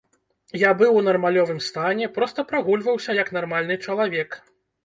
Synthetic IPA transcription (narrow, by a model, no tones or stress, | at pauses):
jabɨwnɐrmalʲɔvɨmst̪anʲɛpɾɔst̪ɐpɾaɣulʲvɐwsʲɐjɐknarmalʲnɨt͡ʂɐlˠavʲɛk